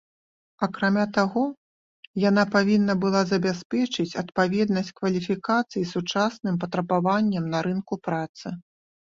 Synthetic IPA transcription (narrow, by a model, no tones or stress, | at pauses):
ɐkɾamʲat̪aɣɔ | janapavʲinːɐbɨlˠazɐbʲaspʲɛt͡ʂɨt͡sʲɐt̪pavʲɛd̪nɐsʲt͡sʲkvɐlʲifʲikat̪sɨjisut͡ʂasnɨmpɐt̪ɾɐbavanʲːɛmnɐɾɨnkupɾat̪sɨ